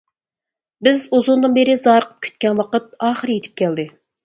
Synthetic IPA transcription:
bɪzuzund̪ɨnbeɾɪzɑːɾəqʰə̥p̚kʲʰy̥t̪kʲɛnwɑqət̪̚ɑːχəɾjet̪ʰɪ̥p̚kʲʰæld̪ɪ

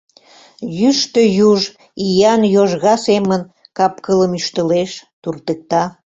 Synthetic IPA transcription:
jyʃt̪ə̆juʒ | ijɑnjoʒɣɑsemən | kɑp̚kələmyʃt̪ə̆leʃt̪urt̪ək̚t̪ɑ

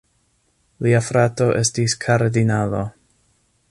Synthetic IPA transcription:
liafɾato̞ʔe̞stiskʰaɾdinalo

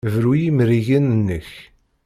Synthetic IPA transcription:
vɾujimɾiʝənənːəç

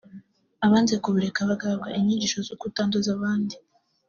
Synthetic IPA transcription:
aβaːnzekuβuɾekaβaɡaβɡaʔeɲiːɲɟiːʃo̞zokutaːndozaβaːndi

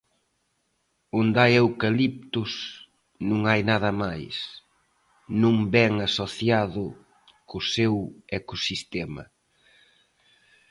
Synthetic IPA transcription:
ond̪ajewkalip̚t̪ʊs | nũŋajnaðɐmajs | nũŋbɛŋasoθjaðʊ | kʊsewekosist̪ɛmɐ̰

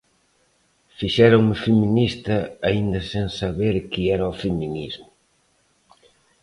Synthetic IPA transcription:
fiʃɛɾoŋmɪfeminist̪ɐaind̪ɐsẽŋsaβeɾkiɛɾɐofeminizmʊ

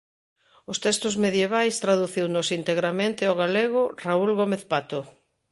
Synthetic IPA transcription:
ʊst̪ɛst̪ʊzmeðjeβ̞ajst̪ɾaðuθiwnʊsint̪eɣɾamẽnt̪ɪoɣaleɣ̞ʊraulɣomeθpat̪o

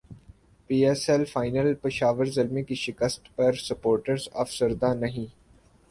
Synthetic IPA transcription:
piːɛːsɛlfaːɪnəlpɪʃaːʋəɾzɐlmikiʃɪkəst̪pɐɾsɐpoːɾʈəɾza̰ːfsəɾd̪ãnɐɦĩː

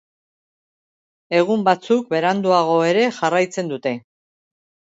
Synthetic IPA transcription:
e̞ɣ̞umbat͡suk̚be̞ɾand̪uaɣ̞o̞e̞ɾe̞ʝarajt͡se̞nd̪ut̪e̞

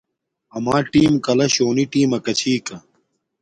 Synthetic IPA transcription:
ɐmaːʈiːmkɐlɐɕoːniʈiːmɐkɐt͡ɕʰiːkɐ

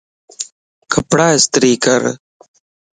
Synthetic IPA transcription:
kʰəpɽaːɪst̪ɾiːkəɾ

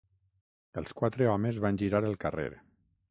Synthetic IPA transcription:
əlˠskwat̪ɾeɔmezβanʲʒiɾaɾəlˠkərḛɾ

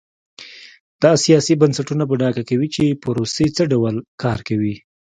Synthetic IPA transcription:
d̪̥ɑsijɑsibansaʈunap̬əɖɑɡakawit͡ʃepəɾoset͡səɖawalkɑɾkawi

